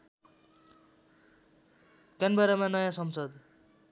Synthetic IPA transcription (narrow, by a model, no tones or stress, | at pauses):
kanbʌɾʌmanʌjãsʌmsʌd̪